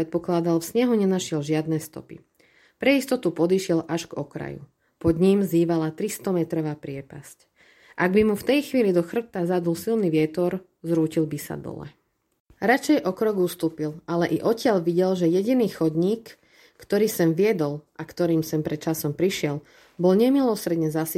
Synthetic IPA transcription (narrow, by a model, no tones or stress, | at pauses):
ɛt̪̚pɔklad̪alfsɲɛɦuɲɛnaʃɪɛlʒɪad̪nɛːst̪ɔ̰pḭ | pɾɛist̪ɔt̪upɔd̪iʃɪɛlʔaʒɡɔkɾa̰jṵ | pɔd̪ɲimziːʋalat̪ɾist̪ɔmɛt̪ɾɔʋaːpɾɪɛpasc | ʔaɡbimuft̪ɛjxʋiːlid̪ɔxr̩t̪azad̪ulsilniʋɪɛt̪ɔɾ | zɾuːcilbisa̰d̪ɔ̰lɛ̰ | ɾat͡ʃɛjʔɔkɾɔɡust̪uːpilʔalɛʔiʔɔcɪaʎʋiɟɛlʒɛjɛɟiniːxɔd̪ɲiːkː | t̪ɔɾiːsɛmʋɪɛd̪ɔlʔakt̪ɔɾiːmsɛmpɾɛt̪t͡ʃasɔmpɾiʃɪɛl | bɔlɲɛmilɔsɾɛd̪ɲɛzasi